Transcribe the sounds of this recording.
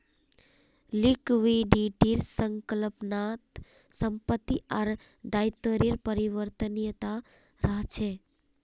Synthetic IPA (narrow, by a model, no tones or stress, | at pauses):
likʋiɖiʈiɾsəŋkələpnat̪ | səmpət̪ːiaɾd̪ajt̪əɾiɾpəɾiʋəɾt̪ənjət̪a | ɾəɦt͡ʃʰe